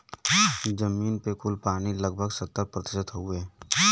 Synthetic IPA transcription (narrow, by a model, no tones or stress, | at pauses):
d͡ʒəmiːnpekʊlpaːñiləɡ̚bʱəɡsət̪ːəɾpɾət̪ɪʃət̪ɦue